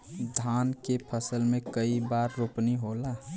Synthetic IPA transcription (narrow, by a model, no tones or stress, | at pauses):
d̪ʱaːnkepʰəsəlmẽkəibaːɾːoːpniɦola